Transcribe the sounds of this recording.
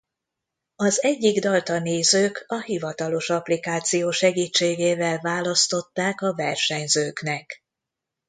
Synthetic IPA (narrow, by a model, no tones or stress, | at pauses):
ɒzɛɟːiɡd̪ɒlt̪ɒneːzøːkɒhivɒt̪ɒlo̞ʃɒplikaːt̪sijoːʃɛɡiːt͡ʃːeːɡeːvɛlvaːlɒst̪o̞t̪ːaːkɒvɛrʃɛɲzøːknɛk